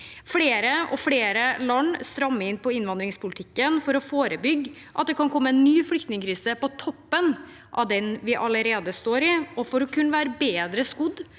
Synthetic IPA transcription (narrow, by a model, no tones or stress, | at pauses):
fleːɾəɔ̰fɽeːɾəlɑnst̪ɾɑmːəɪnpʰɔɪnʋɑnd̪ɾɪŋspʊlɪt̪ʰɪkːənfɔɾɔfoːɾəbʏɡː | ʔɑ̰t̪̚d̪ɛkʰɑnkʰɔmːəɛnːyːflʏkt̪nɪŋəkʰɾiːsəpɔt̪ʰɔpːən | ʔɑ̰ʋd̪ɛnʋɪʔɑləɾeːd̪əst̪oːɾɪɔfɔɾɔkʰʉnːəʋæːɾəbeːd̪ɾəskʊd̪